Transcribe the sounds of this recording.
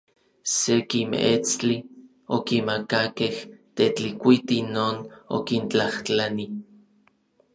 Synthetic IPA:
sekimeet͡st͡ɬi | okimakakeht̪et͡ɬikʷit̪inoːno̰kint͡ɬaht͡ɬani

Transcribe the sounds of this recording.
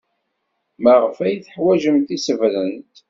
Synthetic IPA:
məʁəfæjθəħwæʒəmt̪isəvlənt̪

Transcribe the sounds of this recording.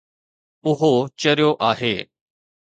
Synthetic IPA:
ʊɦot͡ʃəɾjoʔaːɦeː

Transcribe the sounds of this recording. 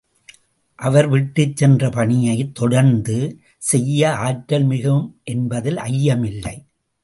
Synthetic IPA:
ʔɐʋɐɾʋɪʈːɯt͡ʃsɛndrɐpɐɳɪjɐɪt̪ːɔɽɐɾnd̪ɯ | sɛjːɐaːʈːɐlmɪɣɯmʔɛnbɐðɪlʔɐjːɐmɪlːɐ̰ɪ

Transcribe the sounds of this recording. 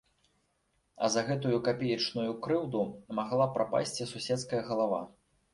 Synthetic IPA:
ɐ̰zɐɣɛt̪ujukapʲɛjit͡ʂnujukɾɨwd̪umaɣlˠapɾʔapa̰sʲt͡sʲisusʲɛt̪skɐjɐɣɐlˠava̰

